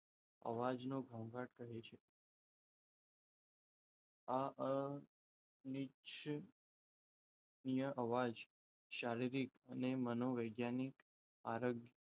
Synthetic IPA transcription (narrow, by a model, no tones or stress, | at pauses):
ə̰ʋad͡ʒnoɡʱəmɡaʈkəɦet͡ʃʰe | aʔə | nit͡ʃ | nijəʔəʋad͡ʒ | ʃaɾiɾikənemənoʋəjɡjanik | aɾoɡj